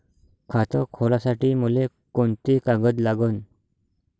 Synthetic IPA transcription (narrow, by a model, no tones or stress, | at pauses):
kʰat̪əkʰolasaʈiːmule | koɳt̪ikaɡəd̪laɡən